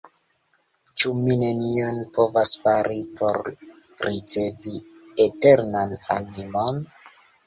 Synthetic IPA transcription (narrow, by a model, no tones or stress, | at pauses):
t͡ʃumine̞nio̞npo̞vasfaɾipʰo̞ɾ | ɾit͡se̞vi | ete̞ɾnana̰nimo̞n